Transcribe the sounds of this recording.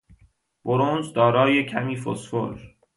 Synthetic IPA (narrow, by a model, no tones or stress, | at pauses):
b̥oɾonzd̪ɒːɾɒːje̞cʰæmiːfo̰sfo̰ɾ